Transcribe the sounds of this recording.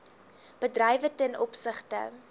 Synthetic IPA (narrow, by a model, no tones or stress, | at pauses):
b̥ədrɛjvətɛnʔɔpsəχtə̰